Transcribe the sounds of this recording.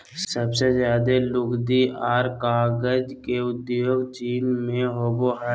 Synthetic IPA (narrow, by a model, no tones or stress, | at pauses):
səbsezjaːd̪elʊkd̪iʔaːɾkaːɡəd͡ʒkeʊd̪jjoːɡt͡ʃiːnmẽɦoboɦɛ